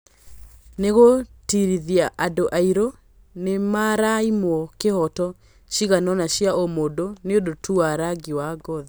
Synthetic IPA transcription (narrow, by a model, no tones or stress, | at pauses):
neɣotiɾiðiaʔadoʔaiɾo | nemaɾaimwɔkehɔtɔ | ɕiɣanɔnaɕjaʔomodoneodotuaɾaɡiwaɡɔða